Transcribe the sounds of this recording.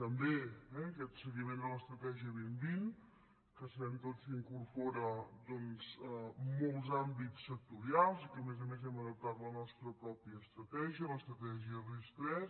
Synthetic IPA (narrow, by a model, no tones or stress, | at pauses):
t̪əmbeɛəkɛt̪səɣimend̪ələst̪ɾət̪ɛʒiəβimbin | kəsəβɛmt̪ot͡siŋkurpɔɾəd̪ɔnz̥əmɔlˠzambitt͡sːək̚t̪uɾialˠzikəmezəmezɛməðəp̚t̪at̪lənɔst̪ɾəpɾɔpiəːst̪ɾət̪ɛʒiələst̪ɾət̪ɛʒiərist̪ɾɛs